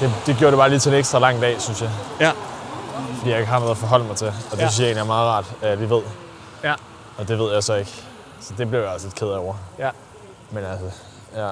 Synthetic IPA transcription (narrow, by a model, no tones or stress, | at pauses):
d̥e̝d̥e̝ɡ̥joːɐɾ̥ebɑ̈ːliːt͡sʰeeneɡsd̥ʁɑlɑ̈ŋ̰d̥ɛ̰ːsynsjɑ̈ | fɒdḭːjɑ̈eɡ̥əhɑ̈noð̩ˠæfɒ̽ɦɒ̽l̰əmɑ̈ɪt͡sʰelɒ̽d̥e̝synsjae̝ːnijaæmɑ̈ːð̩ˠʁɑ̰̈ːd̥æjaliːʋe̝ð̞̰ˠ | ɒ̽d̥e̝ʋeð̰ˠjɑ̈ɪsɒ̽e̝ɡ̥ | sɒ̽d̥e̝b̥le̝ʊjɒ̽lsle̝d̥kʰeð̞̰ˠɒʊ̰ɐ | menælsɐ | jæ